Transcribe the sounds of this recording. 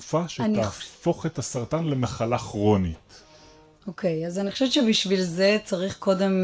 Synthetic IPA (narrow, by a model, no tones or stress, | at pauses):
ufaʃeanaːfo̞χet̪asaʁt̪anlemaχalaːχʁo̞nit | okʰejazaniχoʃevett͡ʃebiʃvilze̞t͡saʁiχko̞de̞m